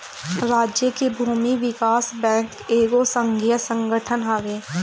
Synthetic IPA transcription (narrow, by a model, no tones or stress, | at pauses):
ɾaːd͡ʒjəkebʱuːmiʋɪkaːsbɛ̃ːŋkeːɡosə̃ŋɡʱijəsə̃ŋɡəʈʰənɦəʋeː